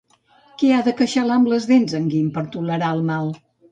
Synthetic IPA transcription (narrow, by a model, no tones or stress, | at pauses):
keaðəkəʃalambləzðenzəŋɡimpəɾt̪uləɾaəlˠmalˠ